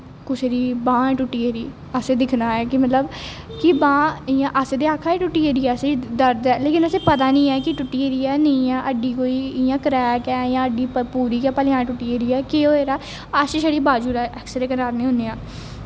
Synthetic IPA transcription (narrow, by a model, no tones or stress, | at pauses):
kʊseːɾiːbãːɛːʈʊʈːiːeɾiː | əseːd̪ɪkʰnaːɛːkɪmət̪ləb | kɪbãːɪjãːʔaseːd̪eːaːkʰaːeːʈʊʈːiːeːɾiːɛːəseːd̪əɾd̪ɛːleːkɪnəseːpət̪aːnĩːɛːkɪʈʊʈːiːeɾiːɛːnəiːɛːʔəɖiːkoːiːɪjãːkəɾɛːkɛːjãːəɖiːpəpuːɾiːkaːpəlɪjãːɛ̃ʈʊʈːiːeːɾiːɛːkeoːeːɾaː | əʃeːʃəɽiːbaːd͡ʒuːɾɛːʔɛːksɾeːkəɾaːɾnĩːɦõneːãː